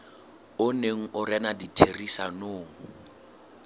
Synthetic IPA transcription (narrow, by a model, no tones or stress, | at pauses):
ʊneŋ̩ʔʊranaditʰerisanoːŋ̩